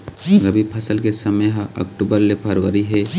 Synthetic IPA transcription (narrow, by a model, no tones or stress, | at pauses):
ɾəbipʰɐsəlkesɐməɦãʔɐ̰kʈubəɾlepʰɐɾwəɾiɦɛ